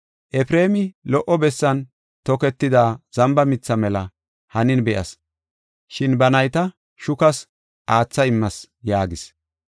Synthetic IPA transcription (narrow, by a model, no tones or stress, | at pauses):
ʔɛfɾe̞ːmɪlɔʔɔbɛsːɐn | t̪ɔkɛt̪ːɪd̪aːz̥ɐmbɐmɪt͡sːɐmɛlɐ | hɐnɪnbɛʔɐ̰s | ʃɪnbɐnɐjt̪ɐ | ʃʊkɐs | ʔaːt͡sːɐɪmːɐs | jaːɡɪs